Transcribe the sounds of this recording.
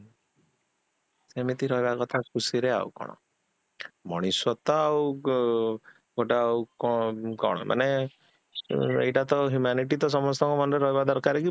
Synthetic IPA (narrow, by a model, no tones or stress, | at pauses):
semit̪iɾɔɦebakɔt̪ʰakʰusiɾea̰ukɔ̰ɽ̃ɔ̰ | mɔɽ̃iswɔt̪ɔaw | ɡoʈaukɔkɔ̰ɽ̃ɔ̰mʔa̰ne | ḛjʈat̪ɔɦjumaniʈit̪ɔs̬ɔmɔst̪ʰɔŋkɔmɔnɾeɾɔɦebad̪ɔɾkaɾeki